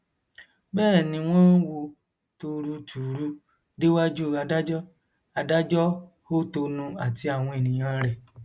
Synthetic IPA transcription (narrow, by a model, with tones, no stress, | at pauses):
bɛː˦˨nĩ˧w̃ɔ̃˦wo˧ | to˧ɾu˧tʰu˨ɾu˧˦ | de˦wa˦d͡ʒu˦˨ɾa˧da˦d͡ʒɔ˦ | a˧da˦d͡ʒɔ˦ | ho˦to˧nũ˧a˨ti˧a˦˨w̃ɔ̃˧e˨nĩ˨j̃ã˦ɾɛ˨